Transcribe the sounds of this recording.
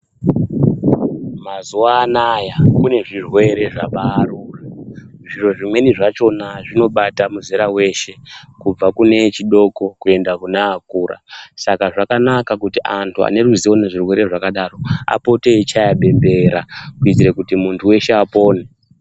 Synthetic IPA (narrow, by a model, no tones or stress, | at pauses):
mazuwaːnajakune̞ʐirwe̞ɾe̞ʐaʋaːruːraʐiro̞ʐimwe̞niʐat͡ʃo̞naʐino̞ɓatamuzeɾawe̞ʃe̞kub͡vakune̞t͡ʃiɗo̞ko̞kue̞ndakunaːkuːɾa̰sakaʐakanakakutiʔantʰua̰ne̞ɾuziwo̞neʐirwe̞ɾe̞ʐakaɗaro̞a̰po̞te̞it͡ʃajaɓe̞mbe̞ɾakuitiɾekutimuntʰuwe̞ʃeapo̞ːne